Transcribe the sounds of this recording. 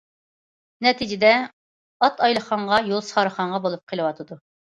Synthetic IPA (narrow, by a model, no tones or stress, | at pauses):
nɛt̪ʰid͡ʒɪd̪ɛ | ɑt̪ɑjlˠəχɑɴʁɑjolˠsə̥χɑɾəχɑɴʁɑbolˠup̚qʰəlˠɨwɑt̪ʰɨd̪u